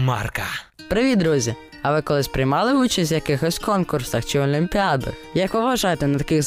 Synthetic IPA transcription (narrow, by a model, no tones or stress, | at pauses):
mɑ̰rkɐ | pɾɪʋʲid̪ɾuzʲi | ɐʋɪkɔlˠɪspɾɪjmɑlˠɪʋut͡ʃɐsʲt̪ʲjɐkɪxɔsʲkɔnkursɐxt͡ʃɪɔlʲimʲpʲiɑd̪ɪ̰xjɐkʋɪʋʋɐʒɑjt̪ɛnɐt̪ɐkɪɣ